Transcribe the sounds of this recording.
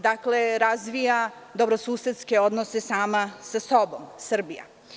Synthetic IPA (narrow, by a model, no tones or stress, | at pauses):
d̪akle̞ɾazʋijad̪o̞bɾo̞suːset̪ske̞o̞d̪nose̞saːmasaso̞bo̞msr̩bija̰